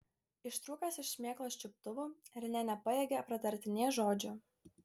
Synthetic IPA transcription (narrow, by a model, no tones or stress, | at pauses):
ɪʃt̪ɾuːkɐsɪʃsʲmʲeːklˠoːʃʲt͡ʃʲɪp̚t̪ʊʋuːɾʲɪnʲɛnʲɛpɐjeːɡʲɛɐpɾɐt̪ɐɾʲt̪ʲɪnʲeːjʒoːd͡ʒʲʊ